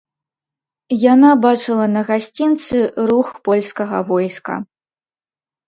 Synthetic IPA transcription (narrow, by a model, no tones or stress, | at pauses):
janabat͡ʂɨlˠɐnɐɣasʲt͡sʲint̪sɨɾuxpɔlʲskɐɣɐvɔjskɐ̰